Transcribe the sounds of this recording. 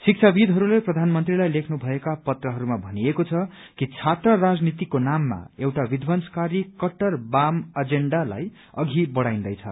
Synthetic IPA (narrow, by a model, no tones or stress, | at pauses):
sik̚t͡sʰabid̪ɦʌɾuleprʌd̪ʱanmʌnt̪rilajlekʰnubʱʌekapʌt̪rʌɦʌɾumabʱʌniekot͡sʰʌ | kit͡sʰat̪rʌrad͡znit̪ikonamːa̰ewʈabid̪ʱbʌnskaɾikʌʈːʌrbamʌd͡zeɳɖala̰j | ʌɡʱibʌɽaj̃nd̪ʌjt͡sʰʌ̰